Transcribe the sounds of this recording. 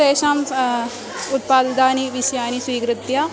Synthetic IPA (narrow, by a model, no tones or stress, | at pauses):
eːʃaːm | ʊt̪̚paːd̪d̪aːniːʋɪʃjaːniːswiːkɾɪt̪ːjaː